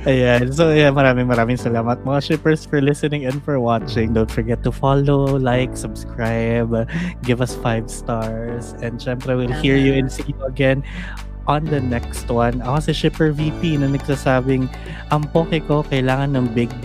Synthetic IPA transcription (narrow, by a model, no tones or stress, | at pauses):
ʔɐjansojamɐɾaːmɪŋmɐɾaːmɪŋsɐlaːmɐt̪̚mɐŋaʃɪpɛɹsfɔɹlɪsɛnɪ̃ŋɛ̃nfɔɹwat͡ʃɪ̃ŋd̪õw̃nt̪fɔɹɡɛt̪ːʊfalolajksɐbskɹajbɡɪvɐsfajvst̪aɹs | ɛ̃nd̪ʃɛmpɾɛwɪlhiɹjuɛ̃nsijuɐɡɛn | ʔɔ̃nd̪ɐnɛkst̪wɐ̃nɐkːsɛʃɪpɛɹvipinɐnɐɡ̚saːsaːbɪŋ | ʔɐŋpoːkɛko̞kɐɪlaːŋɐnːɐŋbɪɡ̚